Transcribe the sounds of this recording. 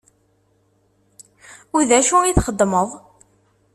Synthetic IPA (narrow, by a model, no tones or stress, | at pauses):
uðæʃuiθχəd̪ˤːməðˤ